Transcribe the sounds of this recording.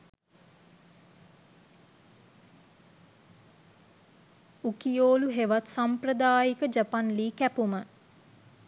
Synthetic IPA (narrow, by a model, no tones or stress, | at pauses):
ukijoːluɦeʋat̪sampɾəd̪aːjikəd͡ʒapanliːkæpumə